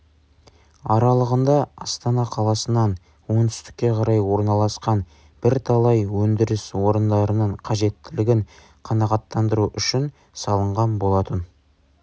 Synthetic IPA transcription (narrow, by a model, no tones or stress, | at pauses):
ɑɾɑlˠəʁənd̪ɑɑst̪ɑnɑqʰɑlˠɑsənɑn | wo̞nt̪ʰʏst̪ɪ̥kʲːe̞qʰɑɾɑjwo̞ɾnɑlˠɑsqɑn | b̥ɪɾt̪ʰɑlˠɑjwɵnd̪ɪɾɪswo̞ɾənd̪ɑɾənəɴqʰɑʒe̞t̪ːɪlɪɡʲɪŋ | qʰɑnɑʁɑt̪ːɑnd̪əɾuʔʏʃɪn | sɑlˠəɴʁɑnbo̞lˠɑt̪ən